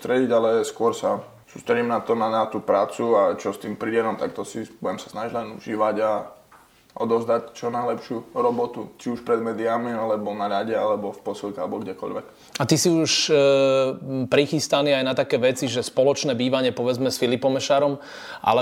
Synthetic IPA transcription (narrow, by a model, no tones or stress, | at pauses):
t̪ɾɛɟiɟalɛskʊɔɾsa | suːst̪ɾɛɟimnat̪ɔnanat̪uːpɾaːt͡suat͡ʃɔst̪iːmpɾiɛnɔmt̪akt̪ɔsibuɟɛmsḁsnaʒiɟlɛnuʒiːʋaɟa | ʔɔ̰d̪ɔʊzd̪act͡ʃɔnajlɛpʃɪuɾɔbɔt̪ut͡ʃiuʃpɾɛd̪mɛːd̪iamialɛbɔnaɾaɟɛalɛbɔfpɔsilˠkɛalɛbɔɡɟɛkɔ̰ʎʋɛ̰k | at̪isiuʃ | pɾixist̪aniajnat̪akɛːʋɛt͡siʒɛspɔlɔt͡ʃnɛːbiːʋaɲɪɛpɔʋɛd͡zmɛsfilipɔmɛʃaːɾɔm | ʔa̰lɛ